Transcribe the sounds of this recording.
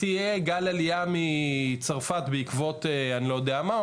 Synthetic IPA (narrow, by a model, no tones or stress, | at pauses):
ijeɡalalijamit͡saʁfat̪beikvo̞t̪eanilo̞jod̪eama